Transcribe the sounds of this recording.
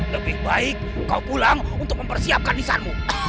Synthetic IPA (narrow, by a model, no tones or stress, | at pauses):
ləbɪhbaɪkːaupulaŋunt̪ʊk̚məmpərsiap̚kandisa̰nmu